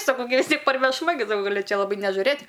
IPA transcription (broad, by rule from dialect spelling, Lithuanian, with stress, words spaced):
sɐˈkɐʊ ɡʲɪ ʋʲɪs ˈtʲiɛk pɐrʲʋʲɛʃˈmɐ ɡʲɪ ɡɐˈlʲɪ ˈt͡ʃʲɛ lˠɐˈbɐɪ nʲɛʒʊˈrɘtʲ